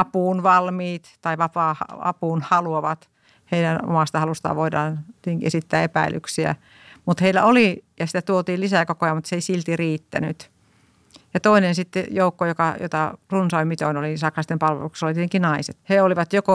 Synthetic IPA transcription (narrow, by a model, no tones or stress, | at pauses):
ɑpuːnʋɑlmiːt̪t̪ɑiʋɑpɑːhɑ̰ɑ̰puːnhɑluoʋɑt̪ | heiɾæno̰mɑst̪ɑhɑlust̪ɑ̰ʋoidɑ̰ːnt̪iet̪eŋkiesit̪ːæːepæilˑy̰ksiæ̰ | mut̪heilːˑæ̰olijɑsit̪æt̪uot̪iːlisækokojɑmut̪seisilt̪iriːt̪ːæ̰ny̰t̪ | jɑt̪oinensit̪ːejoukːojokɑjo̰t̪ɑrunsoimit̪oinolisɑksɑst̪empɑlʋḛluksesolit̪iet̪eŋkinɑisḛt̪heoliʋɑt̪joko